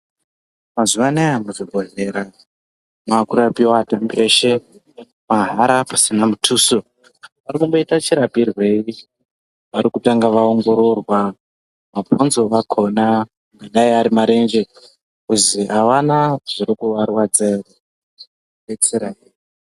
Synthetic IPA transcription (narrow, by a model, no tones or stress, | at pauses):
mazuʋanaamuʐibʱoɦeɾa | makuɾapiwatameʃe̞ | maɦaɾapḁsinamutʰuːso | ʋaɾikumboitat͡ʃiɾapirwe̞i | ʋaɾikutaŋɡaʋaoŋɡo̞ɾo̞rwa | maponzo̞ʋakʰo̞na | ŋɡaɗaiaɾimaɾe̞nd͡ʒe | kuziʔaʋanaʐ̥iɾikuʋarwad͡zer | ɓet͡seɾai